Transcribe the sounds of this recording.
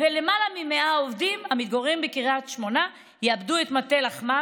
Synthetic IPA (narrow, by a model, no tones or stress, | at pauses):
velemalamimeaovdimamit̪̚ɡoʁimbekiʁat̪ʃmo̞na | jeabduetmatelaχma